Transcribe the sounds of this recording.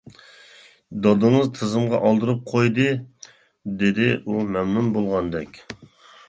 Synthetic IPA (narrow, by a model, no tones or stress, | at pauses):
d̪ɑd̪ɨŋɨzt̪ʰɨzɨmʁɑʔɑlˠd̪ɨɾɨp̚qʰojd̪ɨ | d̪ed̪ɪumɛmnunbolˠʁɑnd̪ɛkʲ